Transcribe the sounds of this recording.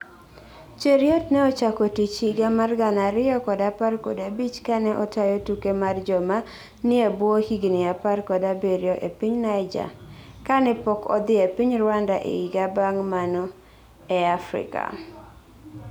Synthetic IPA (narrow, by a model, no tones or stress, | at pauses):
t͡ʃeɾjɔtnɛɔt͡ʃakɔtit͡ʃiɡamarɡanaɾɪɔkɔdaparko̰dabit͡ʃkanɛʔɔtajotukemard͡ʒɔma | nɪebwohiɡnɪaparkɔdabeɾjɔʔepiɲnaɪd͡ʒa̰kanɛpɔkɔ̰d̪ɪepiɲrwandaʔḛiɡabaŋmanɔ | ɛafɾɪ̰ka̰